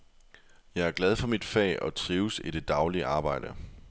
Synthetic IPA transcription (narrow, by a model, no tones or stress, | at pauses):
jɑ̈ɪæɐɡ̥lɛð̞ˠfɒ̽mid̥fɛ̰ːʔɒ̽t͡sʰʁiːʊsid̥e̝d̥ɑ̈ʊliəʔɑ̈ːb̥ɑ̈ɪ̰d̥ə